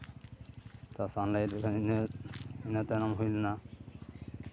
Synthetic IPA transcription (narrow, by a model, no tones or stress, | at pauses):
t̪asanlajdekʰa | inat̪anamɦojlena